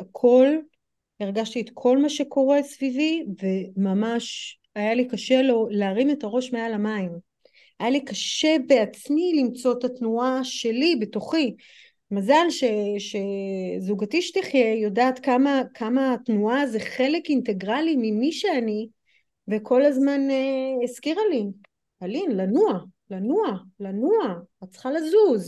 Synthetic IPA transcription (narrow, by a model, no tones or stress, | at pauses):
akʰo̞l | iʁɡaʃtiet̪kʰo̞lmaʃe̞kʰo̞ʁe̞svivive̞mamaʃ | ajalikaʃe̞lo̞leːʁime̞taʁo̞ʃmealamaim | ajalikaʃe̞beat͡smilimt͡so̞tatnuaʃe̞libe̞toχi | mazalʃe̞ʃe̞zuɡatiʃtiχjejodaːt̪kamakʰamaːtnuaze̞χe̞le̞kinte̞ɡʁalimimiʃe̞ani | ve̞kʰo̞lazmaneeskiʁali | alinlanualanualanuaatt͡sχalazuz